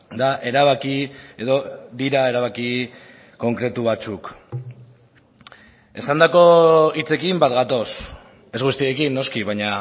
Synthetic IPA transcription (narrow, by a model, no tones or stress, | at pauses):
d̪aʔe̞ɾaβ̞akie̞ðo̞d̪iɾae̞ɾaβaki | ko̞ŋkɾe̞t̪uβ̞at͡suk | e̞sand̪ako̞it͡se̞kimbat̪ɡat̪o̞s | e̞zɣust̪ie̞kinːo̞skiβaɲa